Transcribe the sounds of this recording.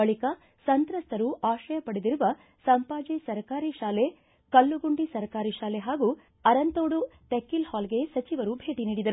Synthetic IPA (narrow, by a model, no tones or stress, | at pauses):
bɐɭikɐ | sɐnt̪ɾɐst̪ɐɾuʔaːʃɐjɐpɐɽed̪iɾuʋɐ | sɐmpaːd͡ʒɐsɐɾkaːɾiʃaːle̞ | kɐɭːuɡuɳɖisɐɾkaːɾiʃaːleɦaːɡu | ɐɾɐnt̪oːɽut̪ekːilhaːlɡe̞sɐt͡ʃiʋɐɾubʱe̞ːʈiniːɽid̪ɐɾu